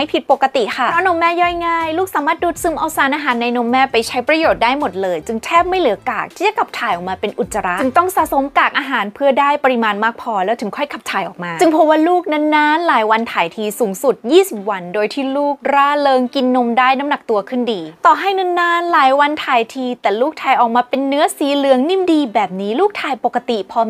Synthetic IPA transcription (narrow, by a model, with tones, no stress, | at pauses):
a˥˩jpʰi˨˩t̪̚po˨˩kːa˧t̪i˨˩ʔkʰa˥˩ɔ˦˥no˧˥mːɛː˥˩jɔ˥˩jŋaː˥˩jluː˥˩k̚saː˨˦maː˥˩t̪̚duː˨˧˩t̪̚sɯ˧˦mʔa˧wsaː˩˦nʔaː˧ɦaː˩˦nːa˧jno˧mːɛː˥˩pa˧jt͡ɕʰa˦˥jpɾa˧joː˨˩t̪̚daː˥˩jmo˨˩t̪̚lɤː˧jt͡ɕɯ˧ŋt̪ʰɛː˥˩p̚ma˥˩jlɯ˩˦ɐka̰ː˨˩k̚t̪ʰiː˥˩t͡ɕa˨˩kʰa˨˩p̚t̪ʰaː˨˩jʔɔː˨˩maː˧pe˧nʔu˨˩t̪̚sa˧ɾa˦˥ɯ˩˦ŋt̪ɔ˥˩ŋsaː˨˦so˨˦mkaː˨˩k̚ʔaː˧ɦaː˩˦npʰɯ˥˩ɐdaː˥˩jpa˧ɾi˧maː˧nmaː˥˩k̚pʰɔː˧lɛː˦˥wt̪ʰɯ˨˩˦ŋkʰɔ˥˩jkʰa˨˩p̚t̪ʰaː˨˩jʔɔ̰ː˨˩k̚maː˧t͡ɕɯ˧ŋpʰo˦˥p̚waː˥˩luː˥˩k̚na˧˥nːaː˦˥nlaː˩˦jwa˧nt̪ʰaː˨˩jt̪ʰiː˧suː˩˦ŋsu˨˩t̪̚jiː˥˩si˨˩p̚wa˧ndoː˧jt̪ʰiː˥˩luː˥˩k̚ɾaː˥˩lɤː˧ŋki˧nːo˧mdaː˥˩jna˧˦˥mna˨˩k̚t̪u˧ɐkʰɯ˥˩ndiː˧t̪ɔː˨˩ɦa˥˩jna˦˥nːaː˥˩nlaː˨˦jwa˧nt̪ʰaː˧jt̪ʰiː˧t̪ɛː˨˩luː˥˩k̚t̪ʰaː˧jʔɔː˨˩k̚maː˧pe˧nːɯ˦˥ɐsiː˨˦lɯ˨˩˦əŋni˦˥˩mdiː˧bɛː˨˩p̚niː˦˥luː˥˩k̚t̪ʰaː˧jpo˨˩kːa˧t̪i˨˩pʰɔː˧